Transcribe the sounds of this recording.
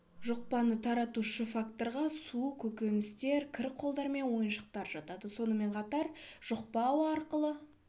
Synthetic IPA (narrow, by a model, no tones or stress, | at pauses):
ʒoq̚pɑnət̪ʰɑɾɑt̪uʃəfakt̪o̞ɾʁɑsukʲʰɵkʲe̞nɪst̪e̞ɾkʲʰɪɾqʰːolˠd̪ɑɾme̞nwo̞jənʃəq̚t̪ɑɾʒɑt̪ɑd̪əso̞nəme̞ɴqʰɑt̪ɑɾʒ̥oq̚pɑwɑɾqəlˠə